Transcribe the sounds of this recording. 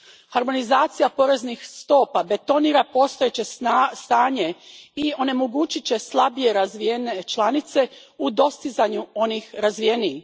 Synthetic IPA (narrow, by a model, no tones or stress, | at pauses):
haɾmo̞nizaːt̪sijapo̞ɾe̞znixst̪o̞ːpabe̞t̪o̞niːɾapo̞st̪ojet͡ɕe̞st̪aːɲe̞io̞ne̞mo̞ɡuːt͡ɕit͡ɕe̞slˠabije̞ɾazʋijenet͡ʃlanit̪se̞ | ud̪o̞st̪izaɲuo̞nixɾazʋijeni